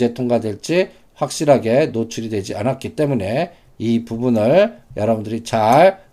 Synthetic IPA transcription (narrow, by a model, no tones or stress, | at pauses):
e̞tʰoŋɡadwe̞ɭt͡ɕ͈i | ɸwak̚ɕ͈iɾɦaɡe̞not͡ɕʰuɾidwe̞d͡ʑianat̚k͈it͈e̞mune̞ | ipubunɯɭjʌɾʌbundɯɾit͡ɕaɭ